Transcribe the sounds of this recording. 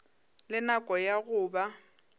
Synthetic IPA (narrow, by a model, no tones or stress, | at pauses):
lɪnakʼɔjaɣʊːba